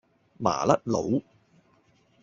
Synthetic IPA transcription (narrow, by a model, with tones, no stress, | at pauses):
ma̰ː˨˩lɐ˦˥t̚lo̰˨˧w